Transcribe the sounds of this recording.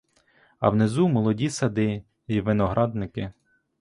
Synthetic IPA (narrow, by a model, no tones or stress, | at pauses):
ɐ̰wnezumɔlˠɔdʲisɐd̪ɪ | iʋɪnɔɦɾʔɑd̪̚nɪkɪ